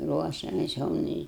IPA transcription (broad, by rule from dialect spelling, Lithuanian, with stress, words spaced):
ˈruɔʃʲɛmʲɛs jɛʊ ˈnʊ ɪ